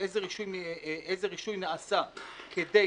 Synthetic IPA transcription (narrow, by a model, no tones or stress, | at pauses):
ejzeʁiʃujʔezeʁiʃujnaasa | kʰe̞de